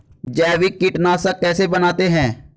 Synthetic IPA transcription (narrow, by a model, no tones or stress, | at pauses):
d͡ʒɛːʋɪkːɪʈnaːsɐkɛːsebɐnaːt̪eɦɛ̃ː